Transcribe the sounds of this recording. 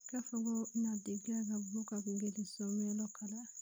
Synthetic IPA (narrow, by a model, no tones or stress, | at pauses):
kafɔɡɔnadeɡakabokakuɡelisɔmɛlɔkʰala